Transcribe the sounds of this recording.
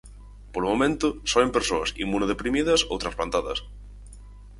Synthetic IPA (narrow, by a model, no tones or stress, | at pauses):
polomomẽnt̪ʊsɔempeɾsoɐsḭmunoðepɾimið̞ɐso̰wt̪ɾɐsplant̪aðɐ̰s